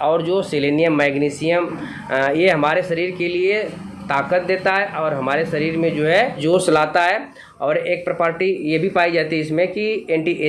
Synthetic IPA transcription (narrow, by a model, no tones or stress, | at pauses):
ɔːɾd͡ʒoːsɪleːnijəmːɛːɡniːsɪjəm | jeɦɐmaːɾeʃɐɾiːɾkelie | t̪aːkət̪̚d̪eːt̪aɦɛʔɔːɾɦɐmaːɾeʃɐɾiːɾmẽd͡ʒoːɦɛd͡ʒoːt͡ʃɐlaːt̪aɦɛ | ɔːɾeːk̚pɾɐpəːɾʈijebʱipaːid͡ʒaːt̪iɦɛɪsmẽkieːɳʈiʔe